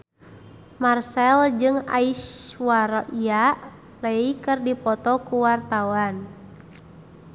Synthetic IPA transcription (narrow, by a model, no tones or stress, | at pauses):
marsɛld͡ʒɨŋa̰iʃwaɾɔʔiaʔ | reikɨrdipɔt̪ɔkuwart̪auan